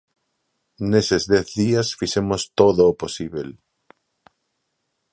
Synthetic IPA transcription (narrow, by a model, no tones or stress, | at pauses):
nesezðɛθðiasfiʃemost̪oðoːposiβel